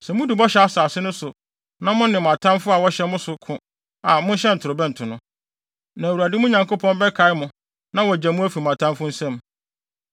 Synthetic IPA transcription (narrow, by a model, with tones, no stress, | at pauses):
sɛ˨mʊ̃˦du˨bɔ˦ɕɛ˨a˦saː˨sɪ˦nʊ̃˦sʊ˨ | nã˦mʊ̃˦nnɪ̃˨m˨ã˨tʰã˦mfʊ˦a˨wɔ˦ɕɛ˦mʊ̃˦sʊ˨kʰʊ̃˨ | a˨mʊ̃˦n˦ɕɛ˦n̩˨tʰʊ˨ɾʊ˨bɛ˦n̩˨tʰʊ˨nʊ̃˦ | nã˨wu˨a˨dɪ˦mʊ̃˦ɲã˨ŋkʰo˦pʰɔ̃˦nbɛ˦kʰa˨˦ɪ˦mʊ̃˨ | nã˦wɔ˨d͡ʑæ̃˨mʊ̃˦æ˦fi˨m˨ã˨tʰã˦mfʊ˦n̩˦sɛ̃˦m